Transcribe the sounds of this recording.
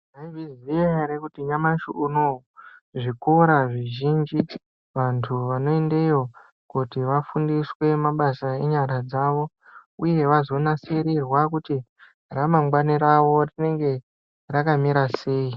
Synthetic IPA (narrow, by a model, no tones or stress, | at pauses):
naivizʋieɾekutiɲamaʃuuno | ʐikoɾaʐiʒind͡ʒi | ʋantʰuʋano̞ende̞jo̞ | kutiʋafundiswe̞maɓasae̞ɲaɾad͡zaʋo̞ | uje̞ʋazo̞naseɾirwakuti | ramamɡwaniɾaʋo̞rine̞ŋɡe̞ | rakamiɾase̞ːi